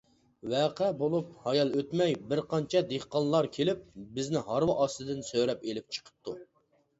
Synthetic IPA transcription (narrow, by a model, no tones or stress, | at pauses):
wæqʰɛbolˠup̚hɑjɑlˠøt̪mɛjbɪɾqʰɑnt͡ʃʰɛd̪eχqɑnlˠɑɾkʲʰelɪp̚bɪznɪɦɑɾwɑʔɑst̪ɨd̪ɪnsøɾɛpelɪp̚t͡ʃʰə̥qʰə̥p̚t̪ʰu